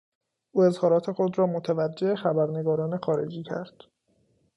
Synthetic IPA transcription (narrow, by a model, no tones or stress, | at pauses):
ʔuːe̞zhɒːɾɒːt̪ʰe̞xo̞d̪ɾɒːmot̪ʰævæd͡ʒːe̞exæbæɾne̞ɡɒːɾɒːne̞xɒːɾe̞̰d͡ʒiːcʰæɾd̪̥